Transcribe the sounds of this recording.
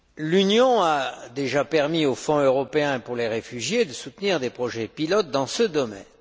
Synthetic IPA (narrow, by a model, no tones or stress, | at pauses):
lynjɔ̃ad̪eʒapɛʁmiofɔ̃øʁɔpeɛ̃puʁleʁefyʒjed̪əsut̪niʁd̪epχɔʒɛpilɔt̪̚d̪ɑ̃səd̪ɔmɛ̰n